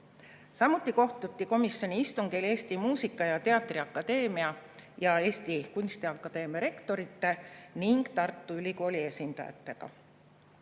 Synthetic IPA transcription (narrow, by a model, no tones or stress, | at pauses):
sɑmut̪ːˑiko̞ht̪ut̪ːiko̞misːjo̞nʲiist̪uŋɡ̥ile̞ːst̪imuːsikːˑɑjɑt̪e̞ɑt̪ːˑriɑkːˑɑd̪̥e̞ːmiɑjɑe̞ːst̪ikunʲst̪iɑkːˑɑd̪̥e̞ːmjɑɾe̞kt̪o̞ɾit̪ːe̞niŋɡ̥t̪ɑrt̪ˑːuylʲiko̞ːlie̞sind̪̥ɑ̰jɑ̰t̪ːe̞ɡ̥ɑ̰